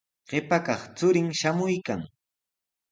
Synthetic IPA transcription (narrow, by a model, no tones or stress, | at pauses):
ɢ̥ɪpakɑχt͡sʊɾɪŋʃamʊjkaŋ